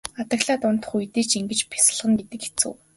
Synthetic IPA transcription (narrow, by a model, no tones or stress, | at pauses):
at̪ə̆ɣɮaːt̪ʊnt̪ə̥̆χujt̪eːt͡ɕiŋɡɘ̆t͡ɕpʰi̥sə̆ɮʁə̆ŋɡet̪ɘ̆ke̥t͡sɘ̰̆w